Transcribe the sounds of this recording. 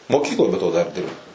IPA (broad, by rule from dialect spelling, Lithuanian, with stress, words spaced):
moːˈkʲiːklˠoːj bʲɛ toː dɐr ˈdʲɪrbɐʊ